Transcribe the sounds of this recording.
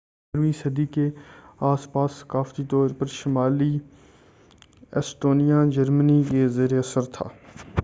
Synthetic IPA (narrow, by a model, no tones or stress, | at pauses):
ɾmisəd̪iːkeaːspaːsːə̥kaːft̪it̪ɔːɾpəɾʃɪmaːliː | ɛsʈoːnijaːd͡ʒəɾmənikezeːɾeɐsəɾt̪ʰa̰ː